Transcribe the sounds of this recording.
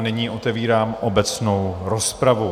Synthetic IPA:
nɛɲiːʔo̞t̪ɛviːɾaːmʔobɛt͡sno̞wɾospɾavu

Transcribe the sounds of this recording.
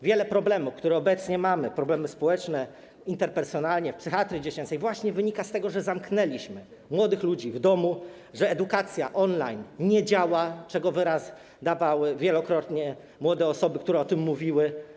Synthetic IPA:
vʲjɛlɛpɾɔblɛmufkt̪uɾɛɔbɛt̪sɲɛmamɘpɾɔblɛmɘspɔwɛt͡ʂnɛ | int̪ɛɾpɛɾsjɔnalɲɛfpsɘxat̪ɾʲid͡ʑet͡ɕɛnt̪sɛjvwaɕɲɛvɘɲikast̪ɛɡɔʐɛzamknɛlʲiɕmɘ | mwɔd̪ɘxlud͡ʑivd̪ɔmu | ʐɛːd̪ukat̪sʲjaʔɔnlajnɲɛd͡ʑawat͡ʂɛɡɔvɘɾaz | d̪avawɘvʲjɛlɔkɾɔt̪ɲɛ | mwɔd̪ɛɔsɔbɘkt̪uɾɛɔt̪ɘmːuvʲiwɘ

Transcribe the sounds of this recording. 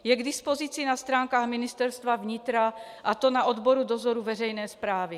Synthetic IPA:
jɛɡdɪspo̞zit͡sɪnast̪ɾaːŋkaːɣmɪnɪst̪ɛɾst̪vavɲɪt̪ɾa | ʔat̪onaʔod̪boɾudozoɾuvɛr̝ɛjnɛːspɾaːvɪ

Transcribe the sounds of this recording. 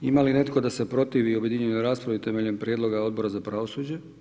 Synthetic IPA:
imaline̞t̪ko̞d̪ase̞pɾo̞t̪iʋiobje̞d̪iɲenoɾaːspɾaʋit̪emeʎempɾjed̪lo̞ɡao̞d̪̚bo̞ɾazapɾaʋo̞suːd͡ʑe

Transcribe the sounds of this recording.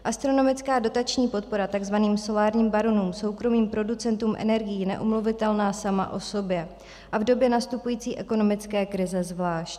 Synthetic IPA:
ʔast̪ɾo̞no̞mɪt͡skaːdo̞t̪at͡ʃɲiːpo̞t̪̚po̞ɾat̪aɡzvaniːmso̞laːɾɲiːmbaɾonuːmso̞wkɾo̞miːmpɾo̞dut͡sɛnt̪uːmʔɛ̰nɛɾɡɪjinɛ̰ʔomluvɪt̪ɛlnaːsama̰ʔo̞so̞bjɛ | ʔavdo̞bjɛnast̪upujiːt͡siːʔɛko̞no̞mɪt͡skɛːkɾɪzɛzvlaːʃc

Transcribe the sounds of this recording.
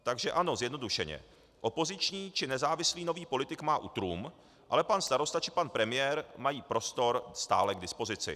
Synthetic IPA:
t̪aɡʒɛʔano̞zjɛdno̞duʃɛɲɛ̰ | ʔo̞po̞zɪt͡ʃɲiːt͡ʃɪnɛzaːvɪsliːno̞viːpo̞lɪt̪ɪkmaːʔut̪ɾuːm | ʔa̰lɛpanst̪aɾo̞st̪at͡ʃɪ̥panpɾɛmɪjɛːɾmajiːpɾo̞st̪o̞ɾst̪a̰ːlɛɡdɪspo̞zɪt͡sɪ̰

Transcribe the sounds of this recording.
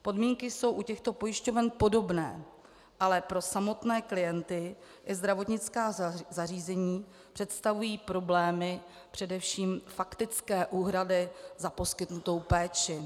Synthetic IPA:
po̞dmiːŋkɪso̞wʔucɛxt̪o̞po̞jɪʃco̞vɛnpo̞do̞bnɛ̰ː | ʔalɛpɾo̞samo̞t̪nɛːklɪjɛnt̪ɪ | ʔɪzd̪ɾavo̞t̪ɲɪt͡skaːzariːzɛɲiː | pr̝̥ɛt̪st̪avujiːpɾo̞blɛːmɪ | pr̝̥ɛdɛfʃiːmfakt̪ɪt͡skɛːʔuːɦɾadɪzapo̞skɪt̪nut̪o̞wpɛːt͡ʃɪ

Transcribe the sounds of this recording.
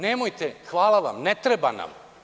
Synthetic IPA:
neːmojt̪exʋaːlˠaʋa̰mnet̪ɾeba̰na̰m

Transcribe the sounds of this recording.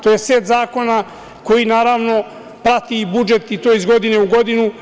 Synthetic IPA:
t̪oːjeseːt̪zaːko̞na | ko̞jinaːɾaːʋno̞ | pɾat̪ibud͡ʒe̞t̪it̪o̞ːizɡo̞d̪ineuɡo̞d̪inu

